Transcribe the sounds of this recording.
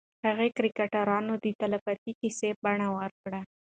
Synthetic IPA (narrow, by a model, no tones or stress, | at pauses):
haɣekɾɪkaʈaɾɑnod̪ət̪alafat̪ikisebaɳawəɾkɽa